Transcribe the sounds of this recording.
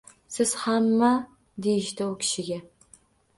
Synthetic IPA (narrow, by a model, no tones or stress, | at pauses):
sɪz̥hamːa | d̪ejɪʃt̪aʊkʲʰɪ̥ʃɪɡʲa